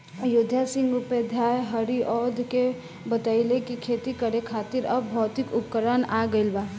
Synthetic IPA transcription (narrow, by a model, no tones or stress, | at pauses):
jʊd̪ʱjasɪ̃ŋɡuped̪ʱjaːjɦəɾiʔɔːd̪ʱke | bət̪aɪlekikʰeːt̪ikəɾekʰaːt̪ɪɾɐbːʱɔːt̪ɪkʊp̚kəɾanaɡəɪlbaː